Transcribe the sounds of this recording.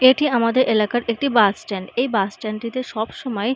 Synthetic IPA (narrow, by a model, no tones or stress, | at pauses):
eʈiamad̪eɾʔelakaɾʔek̚ʈibasʈɛɳɖejbasʈɛɳɖʈit̪eʃɔbʃɔmɔe